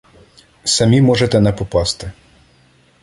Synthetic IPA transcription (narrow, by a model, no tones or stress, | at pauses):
sɐmʲimɔʒet̪ɛnɛpɔpɑst̪ɪ